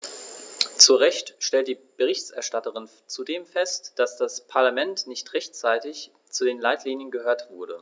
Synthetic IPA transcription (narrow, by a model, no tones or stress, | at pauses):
t͡suʁɛçtʃtɛlt̚d̥iːb̥əʁ̞ɪçtʔɛɐʃtatəʁɪn | t͡sudeːmfɛstd̥asd̥aspʰaɐlamɛntnɪçtʁɛçt͡saɪtɪç | t͡sudeːnlaɪtʰliːnjənɡəhøːɐtv̥ʊɐɾə